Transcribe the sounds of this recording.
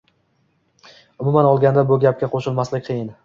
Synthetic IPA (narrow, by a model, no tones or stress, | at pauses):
ʊmʊmanɒlˠɡʲand̪abʊɡʲap̚kʲaqʰoʃɪlˠmaslɪk̚ʲqʰɨjɪn